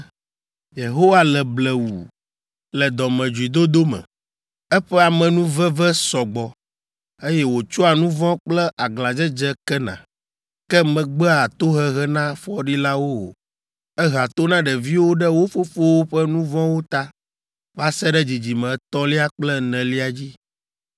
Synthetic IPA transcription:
je˨ɦo˦wa˦lɛ˨blɛ˨wu˨ | lɛ˨d̪ɔ˨mɛ̃˨d͡ʒu˨i˨d̪o˦d̪o˦mɛ̰̃˨ | ɛ˦ɸɛ˦a˨mɛ̃˨nũ˦vɛ˦vɛ˦sɔ˨ɡ͡bɔ˨ | e˦jɛ˦wo˨t͡ʃo˦a˨nũ˦vɔ̃˦k͡plɛ˦ʔa˨ɡla˨d͡ʒɛ˦d͡ʒɛ˦kɛ˦nã̰˨ | kɛ˦mɛ̃˨ɡ͡bɛ˦a˨t̪o˦ɦɛ˦ɦɛ˦nã˦fɔ˦ɖi˦la˦wo˦o̰˨ | ɛ˦ɦa˨t̪o˦nã˦ɖɛ˨vi˦wo˦ɖɛ˦wo˦fo˦fo˦wo˦ɸɛ˦nũ˦vɔ̃˦wo˦t̪a˦ | va˦sɛ˦ɖɛ˦d͡ʑi˨d͡ʑi˨mɛ̃˨t̪ɔ˦li˦a˦k͡plɛ˦nɛ̃˨li˦a˨d͡ʑi˦

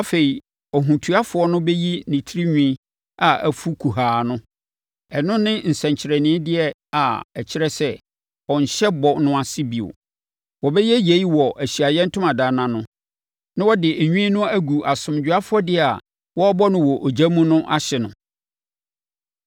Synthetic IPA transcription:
a˦fe˨i˨ | ɔ˨ɦũ˨tʰu˨˦a˦fʊ˨ɔ˦nʊ̃˦bɛ˦ji˦nĩ˨tʰi˦ɾi˦ɲũ˦i˦ | a˨ʔæ˨fu˦kʰu˨ɦaː˨˦nʊ̃˦ | ɛ˨nʊ̃˦nɪ̃˦n̩˨sɛ̃˨ɲt͡ɕʰɪ˨ɾɛ˨nɪ̃˨˦dɪ˦ɛ˨a˨ɛ˨t͡ɕʰɪ˦ɾɛ˦sɛ˦ | ɔ̃˨ɲ̩˨ɕɛ˦bɔ˨nʊ̃˦a˨sɪ˦bi˨o̰˨ | wɔ˨bɛ˦jɛ˦je˨i˦wɔ˨ʔæ˨ɕi˨a˨jɛ̃˦n̩˦tʰʊ̃˦mã˨daː˨˦nã˨nʊ̃˦ | nã˦wɔ˦dɪ˨ɲᶣũ˦i˦nʊ̃˦æ˦ɡu˨ʔa˨sʊ̃˨m˨d͡ʑᶣʊ˨a˦fʊ˦ɔ˦dɪ˦˨a˨ | wɔ˦ɔ˦bɔ˦nʊ̃˦wɔ˨ʔo˨d͡ʑa˦mũ˦nʊ̃˦ʔa̰˦ɕɛ˨nʊ̰̃˨

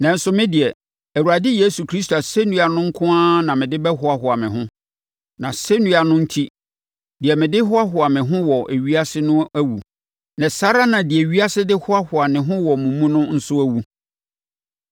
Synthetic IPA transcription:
nã˨n̩˦sʊ˨˦mɪ̃˦dɪ˨ɛ˨ | æ˨wu˨ɾa˨dɪ˦je˦su˨kʰɾi˦s̬t̪o˨a˨se˦nũ˦a˨nʊ̃˦ŋ̩˦kʰʊ̃˦ãː˦nã˨mɪ̃˨dɪ˦bɛ˦ɦʊ˦a˨ɦʊ˨a˨mɪ̃˨ɦʊ̃˦ | nã˨sɛ˦nũ˦a˨nʊ̃˦n̩˦tʰi˦ | dɪ˨ɛ˨mɪ̃˨dɪ˦ɦʊ˦a˦ɦʊ˨a˨mɪ̃˨ɦʊ̃˦wɔ˨ʔæ˨ɥi˦a˦sɪ˦nʊ̃˦æ˦wu˨ | nã˨sa˦ɾa˦nã˨dɪ˨ɛ˨ɥi˦a˦sɪ˦dɪ˦hʊ˦a˦hʊ˨a˨mɪ̃˨ɦʊ̃˦wɔ˨mũ˨mũ˦nʊ̃˦n̩˦sʊ˦æ˦wu˨

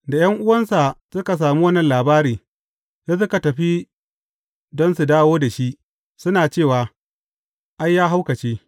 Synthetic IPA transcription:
da˨j̰ɐ˦ŋʔʊ˦wɐ˦nsa˨sʊ˦ka˨s̬aː˨mu˦wɐ˦nːɐ˨nlaː˨baː˦ɾiː˨ | ja˦s̬ʊ˦ka˨tɐ˨ɸi˦ | dɔ˦nsu˨daː˦woː˦da˨ʃi˦ʔ | sʊ˦naː˨t͡ʃeː˦˨waː˨ | ʔa˦jːaː˦ɦa˦wkɐ˨t͡ʃeː˦

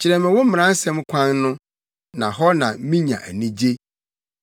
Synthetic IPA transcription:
t͡ɕʰɪ˨ɾɛ˨mɪ̃˨wʊ˦m̩˦m˨ã˦n̩˦sɛ̃˦mkʷʰã˦nːʊ̃˦ | nã˨ɦɔ˦nã˨˦mĩ˦ɲã̰˨ʔæ˨nĩ˦d͡ʑe˦

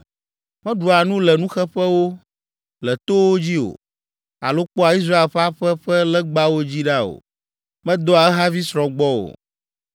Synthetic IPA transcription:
mɛ̃˦ɖu˨a˨nũ˦lɛ˨nũ˦xɛ˦ɸɛ˦wo˦ | lɛ˨t̪o˦wo˦d͡ʑi˦o̰˨ | a̰˨lo˦k͡pɔ˦a˨i˦s̬ɾa˦e˨lɸɛ˦a˦ɸɛ˦ɸɛ˦lɛ˦ɡ͡ba˦wo˦d͡ʑi˦ɖa˦o̰˨ | mɛ̃˦d̪ɔ˦a˨ɛ˦ɦa˦vi˦sɾɔ̃˨ɡ͡bɔ˦o̰˨

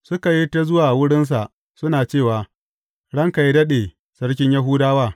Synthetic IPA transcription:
sʊ˦ka˨ji˦ta˦zʊ˦waː˨wʊ˦ɽɪ˦ns̬a˨ʔ | sʊ˦naː˨t͡ʃeː˦˨waː˨ | ɽɐ˦ŋka˨ji˦dɐ˦ɗeː˨ | sɐ˦ɽk̬ʲɪ˦ɲja˦ɦuː˦daː˦waː˦˨

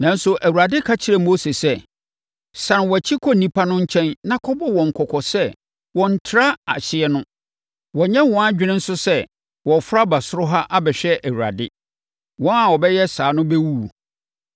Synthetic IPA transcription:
nã˨n̩˦sʊ˦ʔæ˨wu˨ɾa˨dɪ˦kʰa˦t͡ɕʰɪ˦ɾɛ˦˨mo˦se˨sɛ˦ | sã˨nwɔ˨æ˨t͡ɕʰi˦kʰɔ˦nĩ˦pʰa˦nʊ̃˦ɲ̩˦t͡ɕʰɛ̃˦nnã˦kʰɔ˦bɔ˦wɔ̃˨ŋ̩˨kʰɔ˨kʰɔ˨sɛ˦ | wɔ̃˨n̩˨tʰɾa˦a̰˨ɕɪ˦ɛ˦nʊ̃˦ | wɔ˨ɲɛ̃˦wɔ̃˨˦a˦d͡ʑᶣɪ˦nɪ̃˦n̩˦sʊ˦sɛ˦ | wɔ̃˨fɾa˦ba˨sʊ˦ɾʊ˦ɦa˦ʔa˦bɛ˨ɕᶣɛ˦ʔæ˨wu˨ɾa̰˨dɪ˦ | wɔ̃˦na˨wɔ˨bɛ˦jɛ˦saː˨nʊ̃˦bɛ˦wu˦˨

